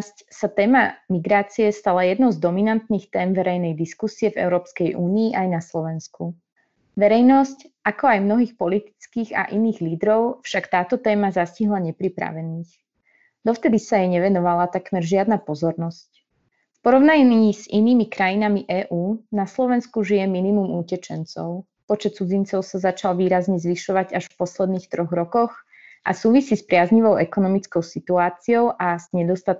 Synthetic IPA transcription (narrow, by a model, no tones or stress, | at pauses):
scsat̪ɛːmamiɡɾaːt͡siɛst̪alajɛd̪nɔʊzd̪ɔminant̪niːxt̪ɛːmʋɛɾɛjnɛjd̪iskusiɛvɛ̰ʊɾɔːpskɛjʔuːniːʔajnaslɔʋɛnsku | ʋɛɾɛjnɔscakɔajmnɔɦiːxpɔlit̪i̥t͡skiːɣa̰ʔiniːɣliːd̪ɾɔʊfʃakt̪aːt̪ɔt̪ɛːmazasciɦlaɲɛpɾipɾa̰ʋɛniːx | d̪ɔft̪ɛd̪isajɛɲɛʋɛnɔʋalat̪akmɛɾʒɪad̪napɔzɔɾnɔsc | fpɔɾɔʊnaɲnːziniːmikɾajinamiʔɛːʔuːnaslɔʋɛnskuʒijɛminimumucɛt͡ʃɛnt͡sɔ̰ʊ | pɔt͡ʃɛt̪̚t͡sud͡zint͡sɔʊsazat͡ʃalʋiːɾazɲɛzʋiʃɔʋaɟaʃfpɔslɛd̪niːxt̪ɾɔɣɾɔkɔx | ʔa̰suːʋisiːspɾɪazɲiʋɔʊʔɛkɔnɔmit͡skɔʊsit̪uaːt͡siɔʊʔaz̥ɲɛd̪ɔst̪at̪̚